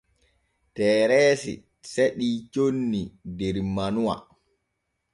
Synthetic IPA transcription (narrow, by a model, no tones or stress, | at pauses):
tɛːɾɛːsḭ | seɗiːt͡ʃonːidɛɾmanuwa̰